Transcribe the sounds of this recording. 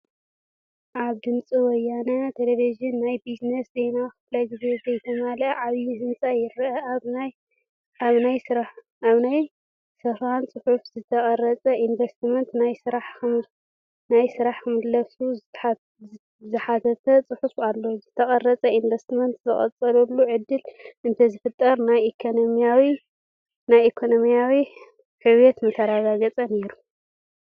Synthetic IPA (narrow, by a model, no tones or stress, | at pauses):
ʔaβd̪ɨnt͡sʼiwɔjːanɐt̪ʰeleviʒɪnːajbiznesze̞jnaxɨflajɡɨzezɐjt̪ʰɐmalʕaβjid̪ɨnt͡sʼajɪɾɐanj | aβnajsɨɾaħ | aβnaj | sɐfant͡sʼɨħufzɨt̪ʰɐχʼɐrɐt͡sʼɐʔinvest̪mɐnt̪najsɨɾaħkɨm | najsɨɾaħkɨmɨd̪lɐfsu | zɨħat̪ʰɐt̪ʰɐt͡sʼɨħufalːozɨt̪ʰɐχʼɐrːɐt͡sʼɐinvɐst̪mɐnt̪zɨχʼɐ̰t͡sʼɐlulːuʕɨd̪ːɨlɨnt̪ʰɐzɨfɨt̪ʼːɐɾnajekʰonomijawi | najekʰo̞nomijawi | ħɨwjet̪mɨt̪ʰɐɾaɡaɡɐt͡sʼɐneɾu